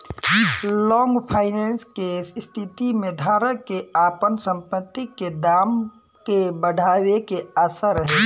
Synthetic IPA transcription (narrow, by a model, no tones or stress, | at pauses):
lɔŋɡpʰaɪnenskest̪ʰit̪imed̪ʱaɾəkeapənsə̃mpət̪ːiked̪am | kebəɽʱawekeəsəɾəɦe